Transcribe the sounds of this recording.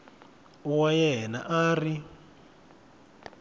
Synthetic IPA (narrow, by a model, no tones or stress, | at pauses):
uwajɛɦɛnaʔaːri